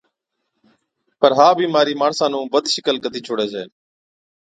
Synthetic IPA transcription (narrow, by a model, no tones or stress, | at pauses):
pəɾɦaːbʱiːmaːɾiːmaːɳsãːnũːʋəd̪ʱʃɪkəlkət̪iːt͡ʃʰoːɽeːd͡ʒḛː